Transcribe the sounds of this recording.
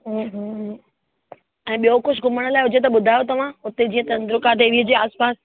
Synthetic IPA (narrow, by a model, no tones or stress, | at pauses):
ɦũɦɦ | ɛ̃ːɓijokʊd͡ʑʰɡʊməɽ̃laːɪɦʊd͡ʑʱet̪̬ɐɓʊd̪ʱaːjot̪ɐʋ̤ãʊt̪ed͡ʑiːə̃t̪ɐ̃nd̪ɾʊkat̪eʋiəd͡ʑeːaːspaːs